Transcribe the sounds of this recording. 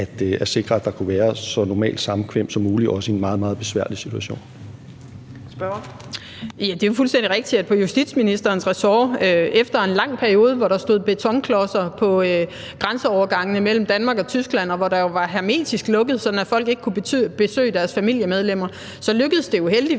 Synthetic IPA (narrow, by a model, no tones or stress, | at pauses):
æd̥eæɐse̝ɡ̥ʁɐæd̥ɑ̈kʰuʋæːɐsɒ̽nɒmɛ̰ːld̥sɑ̈mkʰʋem̰d̥sɒ̽mːuːliʔɒ̽səe̝nmɑ̈ːð̞̩ˠmɑ̈ːð̩ˠb̥e̝sʋæ̰ɐlisit͡sʰuæɕo̝̰ːn | b̥ | jæd̥e̝ʋɑfulsd̥endiʁeɡ̥̚d̥iæd̥̚pʰɒ̽jusd̥id̥sminisd̥ɐːnsʁɛsɒːøefd̥ɐe̝nlɑ̈ŋ̰pʰæɐio̝ːð̞ˠəʋɒɾɑ̈sd̥o̝ð̰ˠb̥e̝t͡sʰɒ̽ŋkʰlɒsɐpʰɒ̽ | ɡ̥ʁansəɒʊɐɡ̥ɑ̈ŋ̰ənəmel̰m̩d̥ænmɑ̈ɡ̥ɒ̽t͡sʰysɡ̥læn̰ɒ̽ʋɒɾ̥ɑ̈jo̝ʋɑ̈ɦæɐme̝̰ːd̥isɡ̥lɔ̽ɡ̥əð̩ˠsɒ̽d̥n̩æfɒ̽l̰ɡ̥e̝ɡ̥əkʰub̥e̝sø̰ːd̥æɐsfæmil̰jəmeð̞ˠlem̰ɐ | sɒ̽løɡ̥əð̩ˠsd̥e̝uɦel̰d̥i